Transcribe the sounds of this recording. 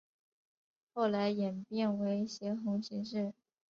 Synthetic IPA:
xo˥˩ʊla˧˥ɪjɛ˨˩npjɛ˥˩nwe˧˥ɪ˩ɕjɛ˧˥xʊ˧˥ŋɕi˧˥ŋʂ̬ɻ̩˥˩

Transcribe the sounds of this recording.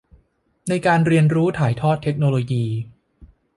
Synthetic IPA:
na˧jkaː˧nɾi˧ənɾuː˦˥t̪ʰaː˩˦jt̪ʰɔː˥˩t̪ʰːe˦˥k̚noː˧loː˧jiː˧

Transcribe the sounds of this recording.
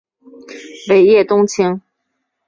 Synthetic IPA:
we˨˩ɪjɛ˥˩t̪ʊ˥ŋt͡ɕʰi˥ŋ

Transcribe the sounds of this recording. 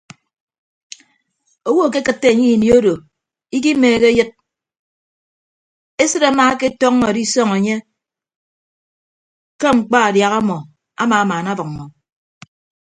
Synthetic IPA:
o˦wo˦˨ke˦kɨ˨tːe˦˨ɲi˦˨nji˨˦o˦do˨ | i˦k̬i˦meː˨ɣe˦jɨ˦t̚ | e˦sɨ˦ɾa˨˦maː˦ke˦tɔ˦ŋːɔ˨di˦sɔ˦ŋe˨ɲe˦ | ke˦ŋ͡m̩˨k͡pa˦a˨dja˨ɣa˦mɔ˨ | a˦maː˨a˦maː˨na˦bɨ˨ŋ̚˨mɔ˨

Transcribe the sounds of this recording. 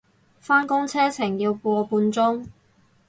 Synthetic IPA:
faː˥nkʊ˥ŋt͡sʰɛː˥t͡sʰɪ˨˩ŋji˧wkʷɔː˧puː˧nt͡sʊ˥ŋ

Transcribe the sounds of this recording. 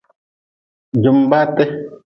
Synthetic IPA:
d͡ʒu˨mba˦tɛ˦

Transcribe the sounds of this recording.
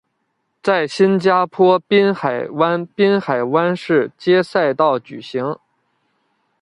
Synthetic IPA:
t͡sa˥˩ɪɕi˥nt͡ɕja˥pʰwɔ˥pi˥nxa˨˩ɪwa˥npi˥nxa˨˩ɪwa˥nʂɻ̩˥˩t͡ɕjɛ˥sa˥˧ɪt̪ɑ˥˩ʊt͡ɕy̰˨˩ɕi˧˥ŋ

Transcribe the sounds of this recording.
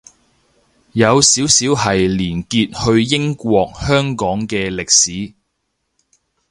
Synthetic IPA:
jɐ˨˧wsiː˨˥wsiː˨˥whɐ˨jliː˨˩nkiː˧t̚hɵ˧ɥjɪ˥ŋkʷɔː˧k̚hœː˥ŋkɔː˨˥ŋkɛː˧lɪ˨k̚siː˨˥

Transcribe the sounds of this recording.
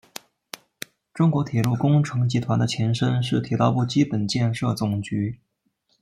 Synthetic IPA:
ʈ͡ʂʊ˥ŋkwɔ˧˥t̪ʰjɛ˨˩lu˥˩kʊ˥ŋʈ͡ʂʰɤ˧˥ŋt͡ɕi˧˥t̪ʰwa˧˥nd̪ə˧˩t͡ɕʰjɛ˧˥nʂə˥nʂɻ̩˥˩t̪ʰi˨˥t̪ɑ˥˧ʊpu˥˩t͡ɕi˥pə˨˩nt͡ɕjɛ˥˧nʂɤ˥˩t͡sʊ˨˩ŋt͡ɕy˧˥

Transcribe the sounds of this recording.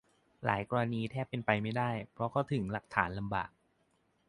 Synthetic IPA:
la̰ː˩˦jkɔː˧ɾa˧niː˧t̪ʰɛː˥˩pːe˧npa˧jma˥˩jdaː˥˩jpʰɾɔ˦˥kʰɔ˥˩wt̪ʰɯ˩˦ŋla˨˩k̚t̪ʰaː˩˦nla˧mba̰ː˨˩k̚

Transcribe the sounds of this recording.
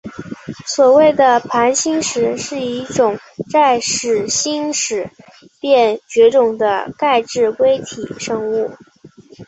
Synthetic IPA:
swɔ˨˩we˥˩ɪd̪ə˩pʰa˧˥nɕi˥ŋʂɻ̩˧˥ʂɻ̩˥˩i˧˥˩ʈ͡ʂʊ˨˩ŋ | ʈ͡ʂa˥˩ɪʂɻ̩˨˩ɕi˥ŋʂɻ̩˨˧˥ | pjɛ˥˩nt͡ɕɥɛ˧˥ʈ͡ʂʊ˨˩ŋd̪ə̰˦ka˥˧ɪʈ͡ʂɻ̩˥˩kwe˥ɪt̪ʰḭ˨˩ʂɤ˥˧ŋu˥˩

